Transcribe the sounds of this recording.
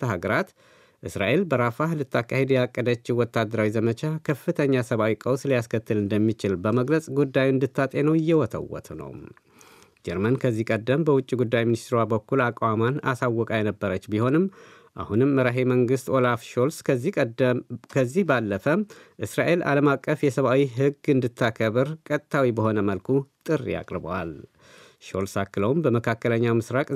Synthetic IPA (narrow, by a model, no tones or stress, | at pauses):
t̪ʰəɦaɡəɾat̪ | ʔɨsɾa̰ʔe̞lbəɾafahlɨt̪ːakːahe̞d̪jɛakʼːəd̪ət͡ʃːɪwɔt̪ʰːad̪əɾawizəmət͡ʃakʰəfːɨt̪ʰəɲːasəβawikʼəwslijaskʰət̪ʰːɨlɨnd̪əmːit͡ʃɪlbəməɡləsʼɡud̪ːajuɨnd̪ɨt̪ʰːat̪ʼe̞nəwɪjːɛwɔt̪ʰə̰wːɔ̰t̪ʰnə̰w | d͡ʒɛɾmənkʰəzːihkʼəd̪ːəmbəwʊt͡ʃʼːiɡud̪ːajminist̪ɾabəkːulakʼwamana̰sawːɔkʼajɛnəbːəɾət͡ʃːbiho̞nɨm | ʔa̰hunɨmːəɾaɦeməŋɡɨst̪o̞lafʃols | kʰəzːihbalːəfəʔɨsɾaʔe̞lʔa̰ləmakʼːəfjɛsəβawiɦɨɡɨnd̪ɨt̪ʰːakʰəβɨɾkʼət̪ʼt̪ʰːawibəho̞nəməlkʰut̪ʼɨr̰ːja̰kʼɾɨbə̰wa̰l | ʃo̞lsakːɨləwmbəməkʰakːələɲːawmɨsɾakʼ